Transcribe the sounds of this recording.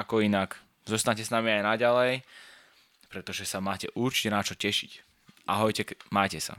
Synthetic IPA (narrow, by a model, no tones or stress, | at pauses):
akɔinak | zɔst̪aɲcɛsnamiajnaɟalɛj | pɾɛt̪ɔʒɛsamaːcɛʔuɾt͡ʃi̥cɛnat͡ʃɔcɛʃic | ʔaɦɔjcɛmaːjcɛsa̰